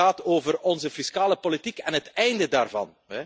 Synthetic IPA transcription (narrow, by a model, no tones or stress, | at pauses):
aːtoːvərɔnzəfiskaːləpolitikɛnɦətɛjndədaːrvɑ̰n | ɛ